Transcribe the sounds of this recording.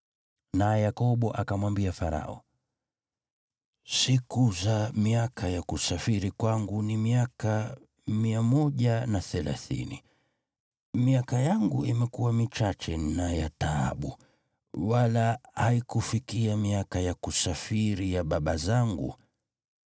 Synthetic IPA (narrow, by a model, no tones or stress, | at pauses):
naɛjakɔɓɔʔakamwambiafaɾa̰ɔ̰ | sikuzamiakʰajakusafiɾikwaŋɡunimiaka | miamɔʄanaθɛla̰θḭni | miakajaŋɡuimɛkuwamit͡ʃat͡ʃɛnajataa̰ɓṵ | walahaikufikiamiakajakusafiɾijaɓaɓazaŋɡṵ